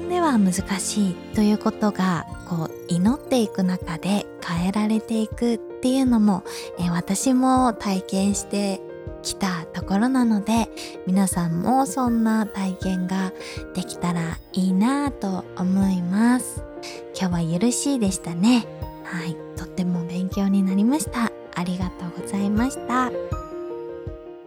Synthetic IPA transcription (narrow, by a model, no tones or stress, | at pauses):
d̪e̞βamɯ̟zɨkaɕiːt̪o̞jɯ̟ːko̞t̪o̞ɡako̞ː | ino̞t̪ːe̞ikɯ̟nakad̪e̞kʰae̞ɾaɾe̞t̪e̞ikɯ̟t̪ːe̞jɯ̟no̞mo̞ | eβat̪aɕimo̞t̪aikẽ̞ɰ̃ɕi̥t̪e̞ | kʲi̥t̪at̪o̞ko̞ɾo̞nano̞d̪e̞ | mʲinasãmːʔo̞sõ̞nːat̪aikẽ̞ŋɡa | d̪̥e̞kʲi̥t̪aɾa | iːnat̪o̞ːmo̞imasɨ̥ | kʲo̞ːβajɯ̟ɾɯ̟ɕiːd̪e̞ɕi̥t̪ane̞ | hai | t̪o̞t̪ːe̞mo̞bẽ̞ŋkʲo̞ːɲ̟inaɾʲimaɕi̥t̪aː | ɾʲiɡat̪o̞ːɡo̞zaimaɕi̥t̪a